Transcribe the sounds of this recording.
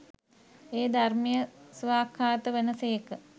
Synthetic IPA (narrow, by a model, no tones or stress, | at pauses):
eːd̪armijəsʋaːkʰːaːt̪əʋenəsejekə